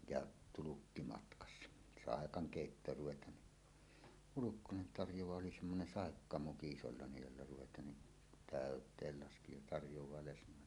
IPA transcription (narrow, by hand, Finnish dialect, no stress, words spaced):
jɑ tulukːi mɑtkɑsːɑ sɑˑekɑŋ keˑitːoːr ruʋetˑɑːn ni hulukːonen tɑrjowɑː oli semːonen sɑˑekːɑmuki isolːɑˑenej jolːɑ ruʋetˑɑːn ni tæˑøtˑeːl lɑski jɑ tɑrjowɑː lesnˑoˑelːe